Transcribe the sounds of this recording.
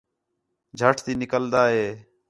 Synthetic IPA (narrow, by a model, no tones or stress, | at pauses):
d͡ʒʱəʈʰt̪iːnɪkəld̪aːɦeː